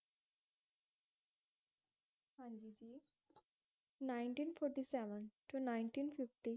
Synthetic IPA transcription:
hãnd͡ʒid͡ʒiː | naɪɳʈĩːnfʰɔːɾʈisɛʋənʈunaɪ̃ɳʈĩːnfɪfʈi

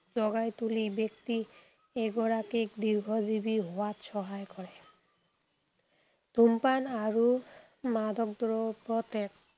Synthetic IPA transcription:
zɔɡajt̪ulibekti | eɡɔɹakekd̪iɾɡʱɔzibiɦowat̪ʃɔɦajkɔɹɛ | d̪̥ʱumpanaɹu | mad̪ʱɔk̚d̪ɔɹɔpɹɔt̪ek̚

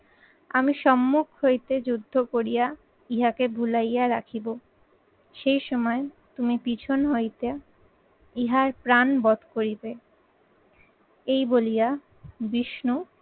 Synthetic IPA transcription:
a̰miʃɔmːukʰɦojt̪ed͡ʑud̪ʱːokoɾija | iɦakebʱulajaɾakʰibo | ʃejʃɔmɔe | t̪umipit͡ɕʰonɦojt̪e | iɦaɾpɾanbɔd̪ʱkoɾibe | ejbolija | biʃnu

